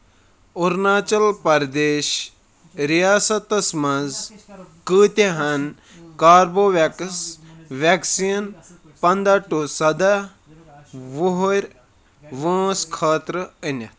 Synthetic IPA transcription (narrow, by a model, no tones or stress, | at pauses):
uɾnaːt͡ʃɐlpɐɾd̪eːʃ | ɾijaːsɐt̪ɐsmɐzkɨːt̪ʲeɦɐn | kaːɾboːʋaksʋʲaksijn | pɐnd̪aʈusɐd̪a | ʋuɦuɾʲ | ʋə̃ːskʰaːt̪ɾəənɐt̪